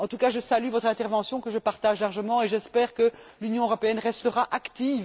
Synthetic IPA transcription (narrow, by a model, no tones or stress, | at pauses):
ɑ̃t̪ukaʒəsalyvɔt̪χɛ̃t̪ɛʁvɑ̃sjɔ̃kəʒəpaʁt̪aʒlaʁʒəmɑ̃eʒɛspɛːʁkəlynjɔ̃øʁɔpeɛnʁɛst̪əʁaʔakt̪iːv